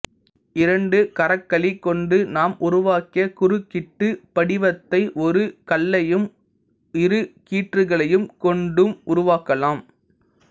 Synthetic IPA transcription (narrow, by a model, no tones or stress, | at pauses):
ɪɾɐɳɖɯkɐɾɐkːɐɭikːɔɳɖɯnaːmʔʊɾʊʋaːkɪɐkʊɾɯkːɪʈːɯpɐɽɪʋɐt̪ːɐɪʔɔɾɯkɐlːɐjɯm | ɪɾɯkiːʈrɯɣɐɭɐjɯmkɔɳɖɯmʊɾʊʋaːkɐlaːm